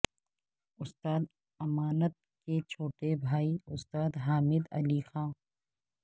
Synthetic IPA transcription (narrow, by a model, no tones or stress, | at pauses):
ʊst̪aːd̪ | ɐmaːnət̪̚ket͡ʃʰoːʈebʱaːiʊst̪aːd̪ɦaːmɪd̪ɐ̰liːxãː